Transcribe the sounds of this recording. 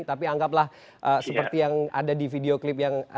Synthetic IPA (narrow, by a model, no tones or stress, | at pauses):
t̪apiaŋɡap̬lah | ʔəsəpərt̪ijaŋa̰dadifideoklɪp̬jaŋ